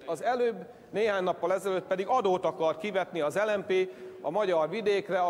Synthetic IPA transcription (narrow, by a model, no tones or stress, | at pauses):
ɒzɛløːbː | neːɦaːɲnɒpːɒlɛzɛløt̪pɛd̪iɡɒd̪oːt̪ɒkɒrt̪̚kivɛt̪niɒzɛlɛmpeːɒmɒɟɒrʋid̪eːkrɛɒ